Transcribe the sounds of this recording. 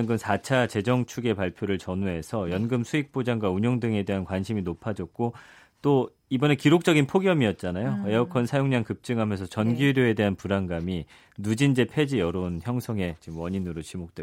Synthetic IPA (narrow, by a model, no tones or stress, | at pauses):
nɡɯmsʰat͡ɕʰat͡ɕe̞d͡ʑʌŋt͡ɕʰuɡe̞paɭpʰjoɾɯɭt͡ɕʌnuɦe̞sʰʌjʌnɡɯmsʰuik̚p͈od͡ʑaŋɡwauɲoŋdɯŋe̞de̞ɦankwanɕʰiminopʰad͡ʑʌk̚k͈o | t͈o | ibʌne̞kiɾok̚t͡ɕ͈ʌɡinpʰoɡjʌmiʌt̚t͡ɕ͈anajoe̞ʌkʰʌnsʰajoŋɲaŋkɯp̚t͡ɕ͈ɯŋɦamjʌnsʰʌt͡ɕʌnɡuɾjoe̞de̞ɦanpuɾaŋɡami | nud͡ʑind͡ʑe̞pʰe̞d͡ʑijʌɾonçjʌŋsʰʌŋe̞t͡ɕimwʌɲinɯɾot͡ɕimok̚t͈we